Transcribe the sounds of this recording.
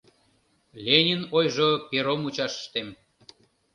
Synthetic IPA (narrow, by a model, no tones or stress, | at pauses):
lʲenʲinojʒopʲeɾomut͡ɕɑʃə̥ʃt̪em